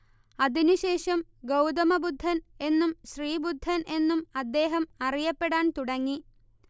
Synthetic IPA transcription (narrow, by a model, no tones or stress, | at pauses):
ɐðinuɕe̞ːʂɐmɡɐwd̪ɐmɐbud̪ʱːɐne̞nːumɕriːbud̪ʱːɐne̞nːumɐd̪ːe̞ːɦɐmɐrijɐpːe̞ɽaːnt̪uɽɐŋːi